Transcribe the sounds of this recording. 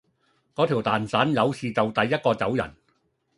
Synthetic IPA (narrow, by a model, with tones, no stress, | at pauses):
kɔː˨˥t̪ʰiː˨˩wt̪aː˨nsaː˨˥njɐ˨˧˥wsiː˨t͡sɐ˨wt̪ɐ˨jːɐ˥t̚kɔː˧t͡sɐ˨˥wjɐ̰˨˩n